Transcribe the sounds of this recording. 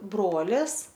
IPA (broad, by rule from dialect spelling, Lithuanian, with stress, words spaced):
ˈbroːlʲɪs